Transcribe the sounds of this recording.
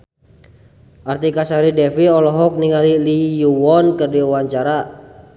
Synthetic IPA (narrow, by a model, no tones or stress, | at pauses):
ʔart̪ikasaɾidɛfiɔlɔɦɔk̚niŋalilijuwɔnkərdiuwaɲt͡ʃaɾa